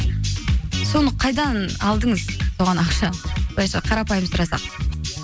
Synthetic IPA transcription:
so̞nəqʰɑjd̪ɑnɑlˠd̪əɴəzoʁɑnɑqʃɑbojʃɑqʰɑɾɑpɑjəməzʊɾɑsɑ̰q̚

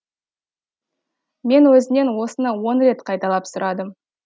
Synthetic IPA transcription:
me̞nwɵzɪne̞nwo̞sənɑwo̞nɾe̞t̪qʰɑjt̪ɑlˠɑpsʊɾɑd̪əm

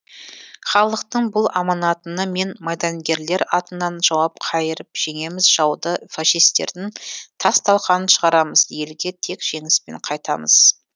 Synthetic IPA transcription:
χɑlˠəqt̪əɴbʊlˠɑmɑnɑt̪ənəme̞nmɑjd̪ɑnɡʲe̞ɾle̞ɾɑt̪ənːɑnʒ̥ɑwɑp̚qʰɑjəɾəpʒ̥e̞ŋe̞mɪzʒɑwd̪əfaʃijst̪e̞̰ɾd̪ɪŋt̪ʰɑst̪ɑlˠqɑnənʃəʁɑɾɑməzje̞lɡʲe̞t̪ʰe̞kʒ̥e̞ŋɪspe̞̰ɴqʰɑjt̪ɑ̰məz̥

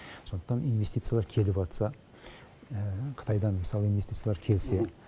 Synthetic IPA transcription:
so̞nd̪əqt̪ɑninve̞st̪it̪sɨjalˠɑɾkʲʰe̞lɪpɑt̪sɑ | qʰə̥t̪ʰɑjd̪ɑnməsɑlˠəinvest̪it̪sjalˠɑɾkʲʰe̞lse̞

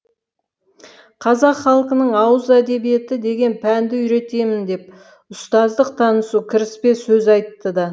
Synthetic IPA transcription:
qʰɑzɑqχɑlˠqənəɴɑwəzæd̪e̞bije̞t̪ɪd̪e̞ɡʲe̞npʰænd̪ɪʏjɾe̞t̪e̞mɪnd̪e̞p̚ | ʊst̪ɑzd̪əq̚t̪ʰɑnəsukʲʰɪɾɪspe̞sɵzɑjt̪ːəd̪ɑ

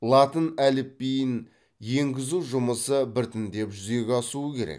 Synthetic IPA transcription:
lˠɑt̪ənælɪp̚ːejɪn | je̞ŋɡʲɪzuʒʊməsəbɪɾt̪ɪnd̪e̞pʒʏze̞ɡʲɑsuəkʲʰe̞ɾḛk

